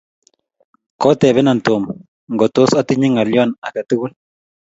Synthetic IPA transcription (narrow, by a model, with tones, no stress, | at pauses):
kɔ˦tɛ˨βɛ˦na˨ntu˨m | ŋɡɔ˨tʊ˦sa˦ti˦ɲi˦ŋa˨ljɔ˦˨na˨ka˨tu˦ku˦l